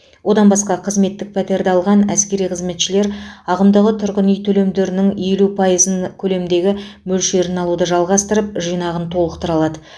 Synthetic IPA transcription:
wʔo̞d̪ɑnbɑsqɑqʰəzme̞t̪ːɪk̚pʰɑt̪e̞ɾd̪eɑlˠʁɑnæskʲe̞ɾijqʰəzme̞t̪ʃɪle̞ɾɑʁəmd̪əʁət̪ʰʏɾʁɪnijt̪ʰɵle̞md̪eɾɪnɪŋe̞lupʰɑjəzənkʲʰɵle̞md̪e̞ɡʲɪmɵlʃe̞ɾɪnɑlˠud̪əʒɑlˠʁɑst̪əɾəp̚ʒijnɑʁənt̪ʰo̞lˠəqt̪əɾɑlˠɑd̪ə

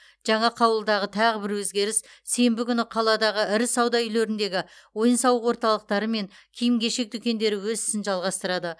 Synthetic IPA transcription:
ʒ̥ɑɴɑqʰɑwəlˠd̪ɑʁət̪ʰɑʁəbɪɾwɵzɡʲe̞ɾɪsse̞mbɪkʲʰʏnɪqʰɑlˠɑd̪ɑʁəɪɾɪsɑwd̪ɑjʏle̞ɾɪnd̪e̞ɡʲɪwo̞jənsɑwəqwo̞ɾt̪ɑlˠəq̚t̪ɑɾəme̞ŋkʲʰijɪmɡʲe̞ʃe̞k̚d̪ʏkʲe̞nd̪e̞ɾɪwɵzɪ̥sɪnʒɑlˠʁɑst̪əɾɑd̪ə

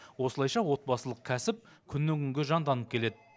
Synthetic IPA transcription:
wo̞səlˠɑjʃɑwo̞t̪̚bɑsəlˠəq̚kʲʰæsɪp̚kʲʰʏnːɪkʲʰʏŋɡʲeʒɑnd̪ɑnəp̚kʲʰe̞le̞d̪ɪ

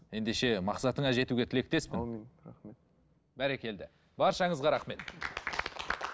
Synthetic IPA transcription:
je̞nd̪e̞ʃe̞mɑqsɑt̪əɴɑʒe̞t̪uɡʲet̪ʰɪle̞k̚t̪e̞spɪnɾaχme | bæɾekʲe̞ld̪ɪ | bɑɾʃɑɴəzʁɑɾɑχme̞t̪

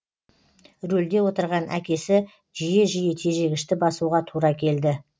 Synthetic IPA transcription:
ɾɵld̪e̞wo̞t̪əɾʁɑnʔæ̰kʲe̞sɪ | ʒijeʒijet̪ʰe̞ʒe̞ɡʲɪʃt̪ɪbɑsuʁɑt̪ʰuɾɑkʲʰe̞ld̪ɪ

